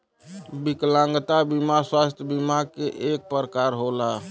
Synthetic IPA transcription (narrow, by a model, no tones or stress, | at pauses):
biklãŋɡt̪abimaswast̪ʰjəbimakeʔek̚pəɾəkaɾɦola